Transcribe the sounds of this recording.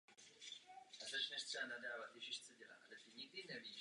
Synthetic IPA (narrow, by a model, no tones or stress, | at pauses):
at̪ɛt͡ʃnɛʃt̪sɛanadaːvat̪jɛʒiʃt̪t͡sɛɟɛla̰ʔa̰lɛt̪ɪɲiɡ̚dinɛviː